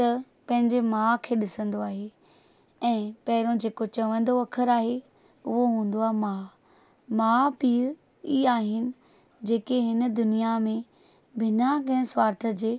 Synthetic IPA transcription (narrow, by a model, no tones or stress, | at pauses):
t̪ɐ | pɐ̃ɦɪ̃ɲd͡ʑemãːkʰeːɗɪsə̃nd̪oaːɦe | ɛ̃ːpɐɦɪɾõd͡ʑeːkot͡ɕɐʋə̃nd̪oɐkʰəɾaːɦe | ʊɦoɦũːn̆d̪oaːɦemaː | mãpiː | iːaːɦɪnɪ̆ | d͡ʑeːkeɦɪnə̆d̪ʊnijamẽ | bʱɪnakɐ̃ɦɪ̃sʋaːɾt̪ʰə̆d͡ʑeː